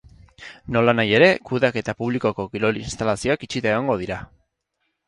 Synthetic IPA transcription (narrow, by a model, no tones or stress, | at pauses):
no̞lanaje̞ɾe̞kuðake̞t̪apuβ̞liko̞ko̞ɣiɾo̞linst̪alasio̞akit͡ʃit̪aeɣoŋɡo̞ðiɾa